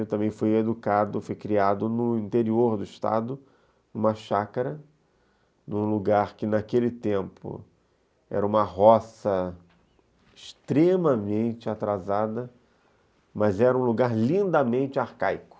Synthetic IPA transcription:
t̪ɐ̃mbẽj̃fojed̪ukad̪ʊfojkɾiad̪ʊnʊĩnt̪eɾioɾd̪ʊɪʃt̪a̰d̪ʊ | ũmɐʃakaɾɐ | nũluɡaɾkɪnakelɪt̪ẽmpʊ̰ | ɛ̰ɾɐũmɐɦɔsɐ | ɪʃt̪ɾẽmɐmẽnt͡ʃɪat̪ɾazad̪ɐ | mɐzɛɾɐũluɡaɾlĩnd̪ɐmẽnt͡ʃɪaɾkajkʊ̥

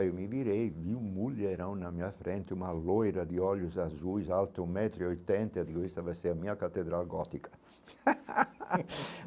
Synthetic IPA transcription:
iwmiviɾejviwmulːeɾawnamiafɾɛnt̪eumalojɾad̪iɔljuzazujzalt̪umɛt̪ɾiojt̪ɛnt̪ad̪ikwist̪avajsɛamiakat̪ːed̪ɾalɡɔt̪ikɐ̥

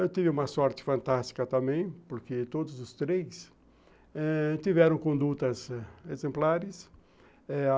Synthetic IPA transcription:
ewt̪ivɪũmɐsɔɾt̪ɪ̥fɐ̃nt̪ast̪i̥kɐt̪ɐ̃mbẽj̃poɾkɪt̪od̪ʊzʊst̪ɾejs | ɛt̪ivɛɾɐ̃w̃kõnd̪ut̪ɐzezẽmplaɾɪs | ɛ

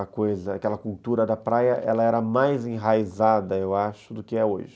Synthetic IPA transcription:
ɐkojzɐakɛlɐkult̪uɾɐd̪ɐpɾajɐʔɛlɐɛɾɐmajzẽɦajzad̪ɐewaʃʊd̪ʊkɪɛo̰ʒɪ

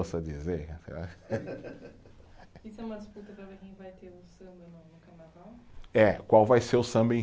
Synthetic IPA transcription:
osɐd͡ʒizeɾsḛla̰ | isʊɛũmɐd̪ɪsput̪ɐpɾɐveɾkẽj̃vajt̪eɾʊsɐ̃bɪnoʊkaɾnavawɛkwawvajseɾʊsɐ̃mbẽ

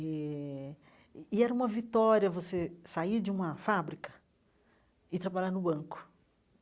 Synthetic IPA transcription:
ɛ | iɛɾɐũmɐvit̪ɔɾjiɐvosesaiɾd͡ʒɪũmɐfabɾikɐ̥ | ɪt̪ɾabaʎaɾnʊbɐ̃ŋkʊ̥

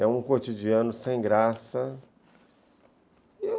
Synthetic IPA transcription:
ɛũkot͡ʃid͡ʒiɐ̃nʊsẽj̃ɡɾasɐ | e

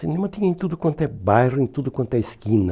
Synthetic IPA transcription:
sɪ̃nẽmɐ̃t̪ĩɲɐẽt̪ud̪ʊkwɐ̃nt̪ʊɛbajrʊẽt̪ud̪ʊkwɐ̃nt̪ʊɛɪskĩnɐ

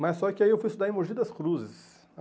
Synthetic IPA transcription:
massːɔkɪaiewfujist̪ud̪aɾĩmoʒid̪ɐskɾuzɪs

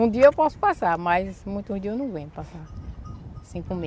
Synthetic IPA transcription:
ũd̪iɐewpɔsʊ̥pasaɾmajzmũj̃t̪uũd̪iewnɐ̃w̃vẽɲʊpasa | sĩkũme

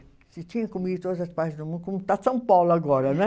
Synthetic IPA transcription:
sɪt̪iɲɐ̃kumid̪ut̪od̪ɐzɐspaɾt̪zd̪umũnd̪komut̪asɐ̃w̃pawlaɡɔɾɐnɛ

